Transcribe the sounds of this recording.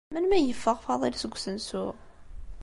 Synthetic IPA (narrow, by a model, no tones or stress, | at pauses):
mænmæjəfːəʁfɑðˤilsəɡʷːsənsʊʁ